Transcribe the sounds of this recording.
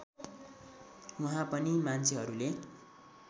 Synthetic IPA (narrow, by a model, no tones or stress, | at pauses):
wuɦãpʌnimant͡sʰeɦʌɾule